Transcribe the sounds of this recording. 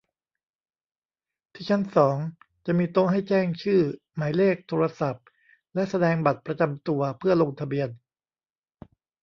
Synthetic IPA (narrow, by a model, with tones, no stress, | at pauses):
t̪ʰiː˥˩t͡ɕʰa˦˥˩nsɔː˩˦ŋ | t͡ɕa˨˩miː˧t̪o˧ŋɦa˥˩jt͡ɕɛː˥˩ŋt͡ɕʰɯː˥˩ | maː˩˦jleː˥˩k̚t̪ʰoː˧ɾa˧sa˨˩p̚ | lɛ˦˥ʔsa˧dɛː˧ŋba˨˩t̪̚pɾa˧t͡ɕa˧mt̪u˧ɐpʰɯ˥˩ɐlo˧ŋt̪ʰa˧bi˧ən